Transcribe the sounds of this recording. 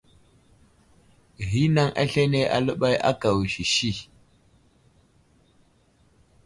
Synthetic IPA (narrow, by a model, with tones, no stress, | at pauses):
ɦi˦na˦ŋʔa̰˦ɬe˦ne˦ʔa̰˨lə˦ɓa˦jʔa̰˦ka˨wʃi˨ʃi˦˨